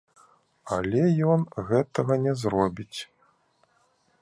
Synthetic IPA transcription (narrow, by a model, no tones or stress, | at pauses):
alʲɛjɔnɣɛt̪ɐɣɐnʲɛzɾɔbʲit͡sʲ